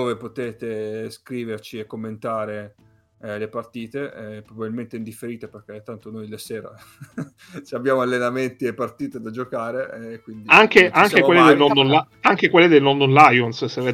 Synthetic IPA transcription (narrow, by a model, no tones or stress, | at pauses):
oːvepot̪eːt̪eskɾiːvert͡ʃiekːomːent̪aːɾe | lepart̪iːt̪eɛpːɾobabilment̪eind̪ifːeɾiːt̪eperk̟et̪ːant̪onojlasɛːɾa̰ | t͡ʃiabjaːmoalːenament̪iepart̪iːt̪ed̪ad͡ʒokaːɾekːwind̪iaŋk̟eʔaŋkewelːed̪elnɔnd̪onla | aŋk̟ekwelːed̪elnɔnd̪onlajonsseve